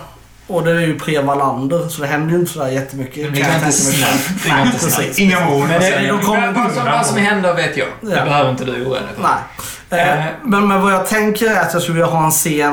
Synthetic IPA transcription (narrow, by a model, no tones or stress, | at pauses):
ɔd̪ɛɾæɾjɵpʰɾeːmaland̪əɾsɔd̪ɛɦɛnd̪əjʏɪnt̪ə̥sɔd̪æːɾjɛt̪ʰːəmʏkːəd̪kʰant̪ʰsmʏkː | pʰɾɪsiːsɪŋːamund̪ɛd̪ɔkʰɔasɔmɛɾhɛnd̪əveːt̪ʰjɑ̰ːbɛhøːvəɾɪnt̪əd̪ʉjuːɛ̰nnɛɪ | mɛnmɛnvajɑːɡ̚t̪ʰɛŋkəɾæɾat̪jɑskɵləvɪlːaɦɑːɛnseːn